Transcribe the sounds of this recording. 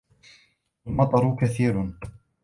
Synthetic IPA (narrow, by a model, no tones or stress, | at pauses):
ʔalmɑt̪ˤɑɾˤʊkaθiːɾ